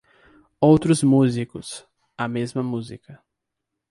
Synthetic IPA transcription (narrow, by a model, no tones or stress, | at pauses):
owt̪ɾʊzmuzikʊs | ɐmezmɐmuzikɐ